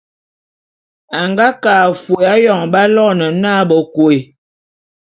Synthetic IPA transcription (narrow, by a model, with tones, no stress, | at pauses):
a˨ŋɡa˦kaː˨fo˨a˦jɔ˨ŋba˦lɔ˦nə˨naː˦bɔ˨ko˨e˨